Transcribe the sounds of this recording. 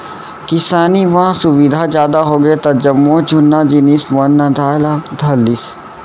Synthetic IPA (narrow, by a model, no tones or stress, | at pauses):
kɪsaːniʋãsʊbid̪ʱazjaːd̪aɦoːɡɐet̪ɐd͡ʒɐmːod͡ʒʊnːad͡ʒinismnːad̪ʱaːlad̪ʱɐlːis